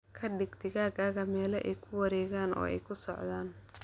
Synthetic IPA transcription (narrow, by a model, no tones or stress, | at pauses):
kʰɐɖɪɡt̪ʰɪɣaːɣaːɣɐmɛːlɛʔɛjkʰʊwɐɾɛːɣaːnɔ̰ːɛ̰jkʰʊsɔʕðaːn